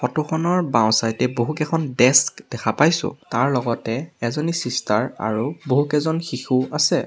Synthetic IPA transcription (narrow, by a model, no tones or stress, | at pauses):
xɔtuxʰɔnɔɹbãw̃sajtɛboɦukɛkʰɔndɛskd̥ɛkʰapajsʊ̰̃taɹlɔɡɔtɛɛzɔnisistaɹa̰ɹuboɦukɛzɔnxixuasɛ